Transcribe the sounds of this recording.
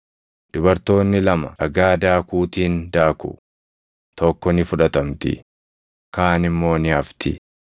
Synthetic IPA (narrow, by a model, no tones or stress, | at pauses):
d̪̥ʊbɐɾt̪o̞ːnːɪlɐmɐɾɐɡaːd̪aːkuːt̪iːnd̪aːkʊ̰ | t̪ɔkːɔnɪfʊᶑɐt̪ɐmt̪ɪ̰ | kaːnɪmːo̞ːnɪɐft̪ʰɪ̰